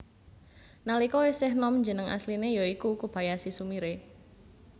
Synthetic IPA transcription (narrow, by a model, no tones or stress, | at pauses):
nalikɔwesɪhnɔmɲd͡ʒənəŋʔa̰slinejɔikukub̥ajasisumiɾe